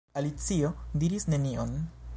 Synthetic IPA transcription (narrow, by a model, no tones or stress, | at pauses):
alit͡sio̞diɾisne̞nion